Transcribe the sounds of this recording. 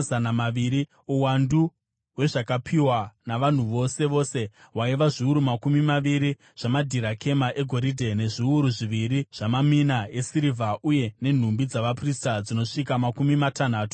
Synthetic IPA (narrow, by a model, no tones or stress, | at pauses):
zanamaʋiɾi | uwandu | we̞ʐakapʰiwanaʋan̤uʋo̞se̞ʋo̞ːse̞ | waiʋaʐiuɾumakumimaʋiɾi | ʐ̥amadʱiɾakʰe̞maʔe̞ɡʱo̞ɾidʱe̞ne̞ʐiuɾuʐiʋiɾiʐ̥amaminae̞siɾivʱaʔuje̞ne̞n̤umbid͡zaʋapristad͡zino̞ʂikamakumimatan̤aːtu̥